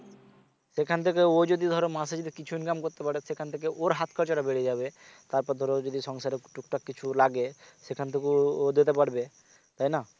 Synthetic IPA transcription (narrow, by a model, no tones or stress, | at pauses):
sekʰant̪ʰekeod͡ʑod̪id̪ʱɔɾomased͡ʑod̪ikit͡ɕʰuinkamkoɾt̪epaɾesekʰant̪ʰek̬eʔoɾɦat̪kʰɔɾt͡ɕaɾabeɽied͡ʑabet̪aɾpɔɾd̪ʱɔɾod͡ʒod̪iʃɔŋsaɾeʈukʈakːit͡ɕʰulaɡesekʰant̪ʰekuod̪et̪̬epaɽbe | t̪ajna